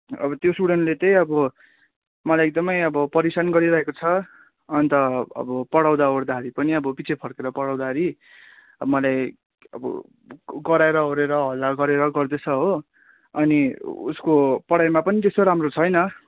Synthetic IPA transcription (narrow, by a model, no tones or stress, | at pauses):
ʌ̰bʌt̪josuɽenlet̪ʌjʌbʌ | mʌlajek̚d̪ʌmʌjʌbʌpʌɾisanɡʌɾiɾʌɦekot͡sʰʌː | nt̪ʌʌ̰bʌpʌɽaw̃d̪aoɾd̪aɦʌɾipʌniʌbʌpit͡sʰepʰʌɾkeɾʌpʌɽaw̃d̪aɦʌɾi | ʌmʌlaj | ʌ̰bʌ̰ | ɡʌɾaeɾʌɦoɾeɾʌɦʌlːaɡʌɾeɾʌɡʌrd̪et͡sʰʌɦo | ʌniṵskopʌɽajmapʌnit̪est̪oɾamrot͡sʰʌjnʌ